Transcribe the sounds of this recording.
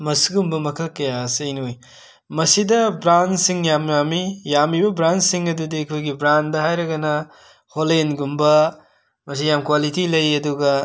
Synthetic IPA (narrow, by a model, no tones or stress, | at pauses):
mɐsiɡumbɐmɐkʰɐkɐjasejnoj | mɐsidɐbɾansiŋjamjamijamibɐbɾansiŋɐdudiɐkʰojɡibɾandɐɦajɾɐɡɐnɐ | holenɡumbɐ | mɐs̬ijamkwalitilɐjɐduɡɐ